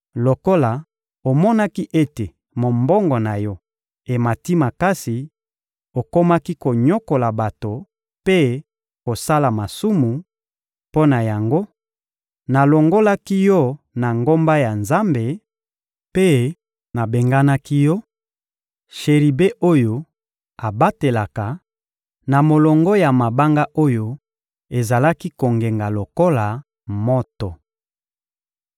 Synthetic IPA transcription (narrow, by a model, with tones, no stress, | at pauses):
lo˨ko˦la˨ | o˨mɔ˦na˦ki˦ʔe˦te˨ | mo˨mbɔ˦ŋɡɔ˨na˨jɔ˦ | e˨ma˨ti˦ma˨ka˦si˨ | o˨ko˦ma˦ki˦ko˨ɲo˦ko˨la˨ba˨to˨ | pe˦ | ko˨sa˦la˨ma˨su˦mu˨ | po˦na˨ja˨ŋɡo˦ | na˨lo˨ŋɡo˦la˦ki˦jɔ˦ | na˨ŋɡo˦mba˦ja˨nza˦mbe˨ | pe˦ | na˨be˨ŋɡa˦na˦ki˦jɔ˦ | ʃe˨ʁi˨be˦ʔo˦jo˦ | a˨ba˦te˨la˨ka˨ | na˨mo˨lɔ˨ŋɡɔ˦ja˨ma˨ba˦ŋɡa˦ʔo˦jo˦ | e˨za˨la˦ki˦ko˨ŋɡe˨ŋɡa˨lo˨ko˦la˨ | mo˦tɔ˨